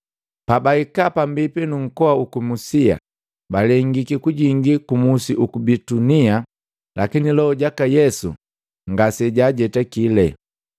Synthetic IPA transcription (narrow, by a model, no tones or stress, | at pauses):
pabaikapambipinuŋ̩kɔaukumusia̰ | balɛŋɡikikuɟiŋɡikumusiʔukubitunia | lʔakinilɔɔɟakajɛsṵ | ŋɡasɛɟaːɟɛtakilɛ